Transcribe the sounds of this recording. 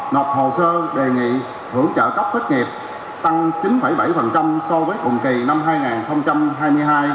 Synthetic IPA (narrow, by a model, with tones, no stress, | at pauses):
nɔ˨˩p̚ho˨˩səː˧ɗe˨˩ŋḭ˧˨ | hɨ˧˩əŋt͡ɕə̰ː˧˨kə˦˥p̚t̪ʰə˦˥k̚ŋi˨˩p̚ | t̪a˧ŋt͡ɕi˨˦nɓa˧˩jɓa˧˩jfə˨˩nt͡ɕa˧msɔ˧vəː˨˦jkʊ̰˨˩ŋ͡mki˨˩na˧mɦaː˧jŋaː˨˩nxə˧wŋ͡mt͡ɕa˧mɦaː˧jmɨ˧əjɦaː˧j